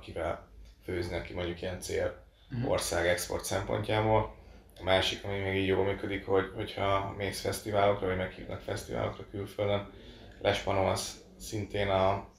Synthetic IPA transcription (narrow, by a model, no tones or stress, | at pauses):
kivɛlføːznɛkimo̞ɲɟukijɛnt̪seːl | o̞̰rsaːɡɛkspo̞̰rt̪sɛmpo̞̰ɲcaːboːl | ɒmaːʃikɒmimeːɡiːɟjoːlmyːkød̪ikho̞ɟho̞chɒmeːsfɛst̪ivaːlo̞krɒvɒɟmɛkhḭːvnɒ̰kfɛst̪iva̰ːlo̰krɒkylføld̪øn | lʔɛʃpɒnos | sint̪eːnɒ